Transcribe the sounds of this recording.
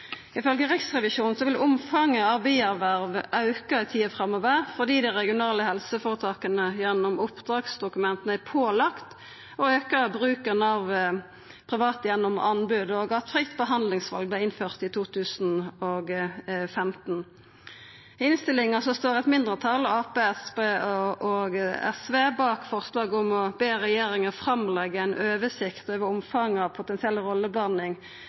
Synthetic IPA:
ɪfœlɡəʁɪksʁɛʋɪʃuːnn̩sɔʋɪlʔʊmfɑŋːəɑʋbiæʁʋæʁʋɑʉkɑɪt̪ʰiːəfʁɑmɔʋəʁfɔʁd̪iːd̪æʁɛɡɪʊnɑːləhɛlsəfoːʁət̪ʰɑːkənəjɛnːʊmʊpd̪ʁɑːɡsd̪ʊkʉmɛnt̪ənæɪpʰoːlɑkt̪ | ɔøːkəbʁʉːkənɑʋ | pʰʁɪʋɑːt̪əjɛnːɔmɑ̰nbʉd̪ɔɡɑt̪fʁɪkt̪bəɦɑnd̪lɪŋsʋɑ̰lɡ̚blæɛɪɪnføːʁt̪ɪt̪ʰuːt̪ʰʉːsn̩oɡfɛmt̪n̩ | ɪnst̪ɪlɪŋəsɔst̪oːʁɛt̪mɪnd̪ʁət̪ʰɑlɑːpeːɛspeɔɡɛ̰sʋeːbɑːkfɔʁslɑːɡɔmɔbeːʁɛjeːɾɪŋəfʁɑmlɛɡːəæɪnʔøːʋəsɪkt̪øːʋəɔmfɑŋːɑʋpʰʊt̪ɛnsɪɛlːʁɔlːəbɑnɪŋ

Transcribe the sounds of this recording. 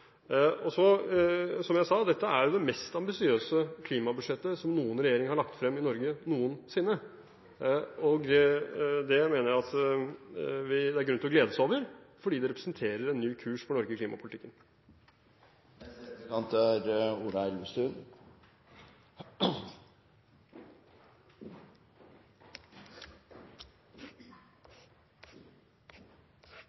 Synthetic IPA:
ɔsɔ | sɔmjæɪsɑːd̪ɛt̪ːəæɾjʊd̪ɛmɛst̪ɑmbɪsɪøːsəkʰliːmɑbʉʂɛt̪ːəsɔmnuːənɾɛjeːɾɪŋəhɑɭɑkt̪fɾɛmːɪnɔɾɡənuːənsɪnːə | ɔɡ | d̪ɛmeːnəɾjæɑt̪ | ʋɪd̪ɛæɾɡɾʉnt̪ɪlɔɡleːd̪əsoːʋəɾfɔɖiːd̪ɛɾɛpɾəsənt̪ʰeːɾəɾɛnːyːkʰʉːʂpʰɔnɔɾɡəkʰliːmɑ̰pʊlɪt̪ɪkːən | ɑnt̪ʰɾuːɾɑɛləst̪ʉːn

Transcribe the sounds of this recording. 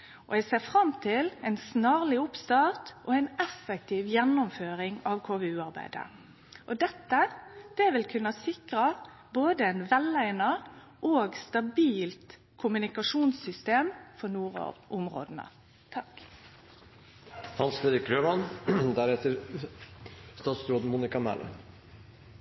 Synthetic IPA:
ʔɔ̰ɛɡseːʁfɾɑmt̪ʰɪlɛɪnsnɑːʁlɪʊpst̪ɑːʁt̪ʔɔɛɪnɛfːɛk̚t̪ʰiːʋjɛnːɔmføːɾɪŋɑʋkʰoːʋeːʉːɑʁbæ̰ɪd̪ə̰ | ʔɔd̪ɛt̪ːəd̪̥ɛʋɪlkʰʉnːɑsɪkɾɑ | boːd̪əɛnʋɛlæɪnɑ | ʔoːɡst̪ɑbiːlt̪ | kʰʊmʉnɪkɑʂuːnsʏst̪eːmfɔɾnuːɾ̰ʔɔmɾo̰ːd̪ənə̰ | t̪ʰɑk | hɑnseːd̪ɪkɾøːmɑnd̪æɾɛt̪əɾ | st̪ɑːt̪sɾoːd̪muːnɪkɑmæ̰lə̰

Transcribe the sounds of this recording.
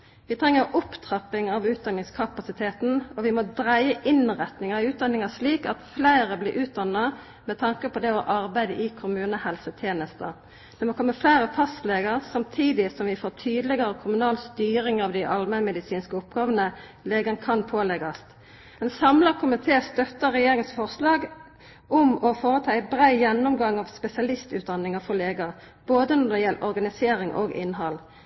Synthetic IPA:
ʋɪt̪ʰʁɛŋːəɾʊpt̪ʰʁɑpɪŋɑʋʉːt̪̚d̪ɑnːɪŋskʰɑpɑsɪt̪ʰeːt̪n̩ɔʋɪmɔd̪ɾæɪəʔɪnʁɛt̪nɪŋɑɾɪʉːt̪̚d̪ɑnːɪŋɑʂliːkɑt̪flæɪʁəblɪɾʔʉːt̪̚d̪ɑnːɑ | mɛt̪ʰɑŋkəpʰɔd̪ɛɔʔɑɾbæɪd̪əʔɪkʰʊmʉːnəhɛlsət̪ʰjeːnəst̪ə | d̪ɛmɔkʰɔmːəflæɪʁəfɑst̪leːɡəʁsɑmt̪ʰiːd̪ɪsɔmʋɪfoːʁt̪ʰyːd̪əlɪɡɑʁəkʰʊmʉnɑːlst̪yːɾɪŋɑʋd̪æɪʔɑlmɛmɛd̪ɪsiːnskəʊp̚ɡɑːʋənə | leːɡɑnkʰɑnpʰoːlɛɡɑst̪ | ɛnsɑmlɑkʰʊmɪt̪ʰeːst̪œt̪ːəɾɛjeːɾɪŋənsfɔʁslɑːɡ | ʊmɔfoːɾət̪ʰɑːæɪbɾæɪjɛnːʊmɡɑŋːɑʋspɛsɪɑlɪst̪ʉːt̪̚d̪ɑnɪŋɑfɔleːɡɑ | b̥oːd̪ənɔd̪ɛjɛlːəʔɔɾɡɑnɪseːɾɪŋʔo̰ːɡɪ̰nɦɑl

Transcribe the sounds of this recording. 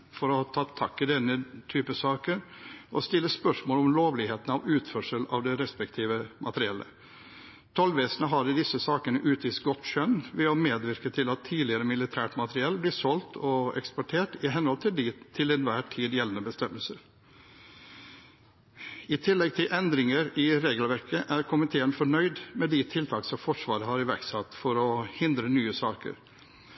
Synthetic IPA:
fɔɾɔhɑt̪ʰɑːt̪ʰɑkːɪd̪ɛnːət̪ʰyːpəsɑːkəɾɔst̪ɪlːəspœʂmoːlɔmloːʋlɪheːt̪n̩ɑʋʉːt̪fœʂəlɑ̰ʋd̪ɛɾɛspɛkt̪ʰiːʋəmʔɑt̪əɾɪɛlːə̰ | t̪ʰɔlʋeːsənəɦɑɖ̪əd̪ɪsəsɑːkənəʔʉːt̪ʰiːsɡɔt̪ʃœnʋɛɔmeːd̪ʋɪɾkət̪ʰɪlɑt̪ʰːiːdlɪəɾəmɪlɪt̪ʰæːʈmɑt̪ɾɪɛlːblɪːʂɔlt̪ʰɔɛ̰kspɔʈʰeːʈɪɦɛnhɔlt̪ʰɪd̪t̪ʰɪlɛnʋæːʈʰiːd̪jɛlːənəbəst̪ɛmːəlsəɾ | ɪt̪ʰɪlːɛɡ̚t̪ʰɪlʔɛnd̪ɾɪŋəɾɪɾeːɡəlʋæɾkəʔæɾkʰʊmɪt̪ʰeːənfɔɳœʏd̪mɛd̪ɪt̪ʰɪlt̪ʰɑːksɔmfɔʂʋɑːɾəɦɑɾɪʋæɾksɑt̪ːfɔɾɔhɪnd̪ɾənyːəsɑːkə̰ɾ

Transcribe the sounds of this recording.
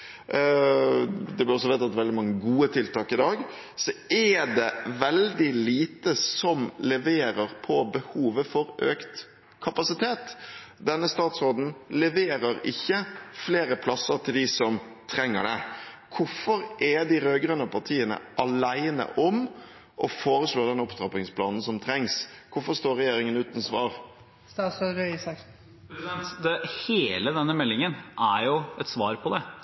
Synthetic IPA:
d̪ɛblɪɔs̬ɔʋɛːt̪ɑt̪ʋɛld̪ɪmɑŋːəɡuːət̪ʰɪlt̪ɑːkɪd̪ɑːɡ | sɔɛɖɛʋɛld̪ɪliːt̪əsɔmlɛʋeːɾəɾpʰɔbəhuːʋəfɔɾøːkt̪ | kʰɑpɑsɪt̪ʰeːt̪d̪ɛnːəst̪ɑːt̪sɾoːd̪n̩lɛʋeːɾəɾɪçːəfleːɾəpʰlɑsəɾt̪ʰɪld̪ɪsɔm | t̪ʰɾɛŋːə̰ɖɛ | kʰʊfɔɾʔɛɖ̪ɪɾøːɡɾœnːəpʰɑʁt̪ʰiːənə̰ʔɑlæɪnə̰ʔɔm | ʔɔfoːɾəsloːd̪ɛnɔpt̪ɾɑpɪŋspʰlɑːnn̩sɔmt̪ʰɾɛŋskʰʊfɔʂt̪oːɾɛjeːɾɪŋənʉːt̪nsʋɑːɾ | sɔɾœsɑ | nt̪d̪ɛheːləd̪ɛnːəmɛlːɪŋənæɾjʊɛt̪sʋɑːɾpʰɔd̪ɛ

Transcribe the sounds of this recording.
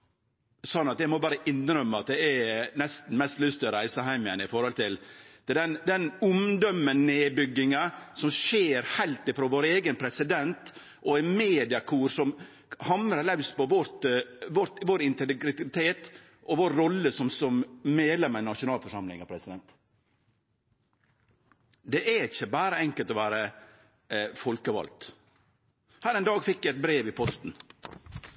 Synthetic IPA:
sɔnːɑt̪jæɪmɔbɑːɾəʔɪnːɾœmːəɑt̪̚d̪ɛɛnɛst̪n̩mɛst̪lʏst̪ɾæɪsəɦæɪmə̰nɪfɔɾhɔlt̪ɪld̪ɛd̪ɛnd̪ɛnʊmd̪ɔmːənːeːbʏɡːɪŋɑsɔmʂeːɾhæɪlt̪ɪfɾoːʋoːɾeːɡənpʰɾɛsɪd̪ɛnt̪ | ʔɔæmeːd̪ɪɑkʰuːɾsɔm | hɑməɾɑlæʉspɔʋɔɾt̪ʋɔt̪ʋoːɾɪnt̪ɛɡɾɪɡɾɪt̪ʰeːt̪ | ʔɔʋoːɾːɔlːəsɔmsɔmmeːlɛmɛnɑʂʊnɑːlfɔʂɑmlɪ̰ŋɑpʰɾɛsɪd̪ɛnt̪ | d̪ɛʔæɪçəbæːɾəɛŋkəlt̪ɔʋæːɾə | fɔlkəʋɑ̰lt̪ | hæːɾɛɪnd̪ɑːɡfɪkːjæɛt̪̚bɾeːʋɪpʰɔst̪n̩

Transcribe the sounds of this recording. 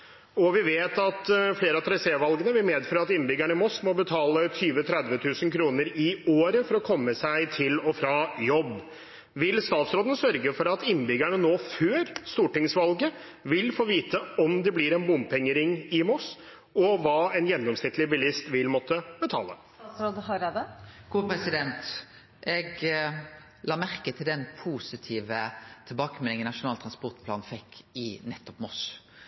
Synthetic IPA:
ɔʋɪʋeːt̪ɑt̪fleːɾəɑt̪ɾɑɪseːʋɑlɡənəʋɪlmeːd̪føːɾɑt̪ɪnːbʏɡæɳəɪmɔsmɔbət̪ʰɑːlət̪ʰyːʋət̪ʰɾɛd̪ʋət̪ʰʉːsənkʰɾuːnəɾɪoːɾəfɔɾɔkʰɔmːəsæɪt̪ʰɪlɔfɾɑjɔbː | ʋɪlst̪ɑːt̪sɾoːd̪ənsœɾɡəfɔɾɑt̪ɪnːbʏɡæɳənoːføːɾst̪uːʈɪŋsʋɑlɡə | ʋɪlfoːʋiːt̪əɔmd̪ɛblɪɾɛnbʊmpʰɛŋːəɾɪŋɪmɔs | ɔʋɑːɛnjɛnːɔmsnɪt̪ʰlɪbɪlɪst̪ʋɪlmɔt̪ʰːəb̥ət̪ʰɑ̰ːlə | sɾoːd̪hɑɾed̪əɡ̥uːpɾɛsɪd̪ɛnt̪ | ʔɛɡ | lɑːmæɾkət̪ʰɪld̪ɛnpʰuːsɪt̪ʰiːʋət̪ʰɪlbɑːkəmɛlɪŋənɑʂʊnɑːlt̪ʰɾɑnspɔɾt̪̚pʰlɑ̰ːn̩fɛkːɪnɛt̪ːɔpmɔs

